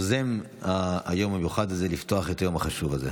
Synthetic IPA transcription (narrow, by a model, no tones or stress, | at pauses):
zem | aːjo̞mamjuχadlzelift̪o̞aχetajo̞maχaʃuvaze